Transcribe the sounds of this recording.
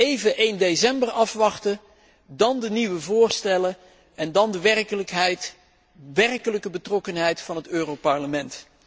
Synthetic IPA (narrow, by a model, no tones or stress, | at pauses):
ejvəʔejndejsɛmbərɑfʋɑχtə | dɑndəniʋəvʊːɹstɛlə | ɛndɑndəʋɛrəəkɦɛjt | ʋɛrkələkəbətrɔkənɦɛjtfɑnɦətøːrowpɑɹləmɛnt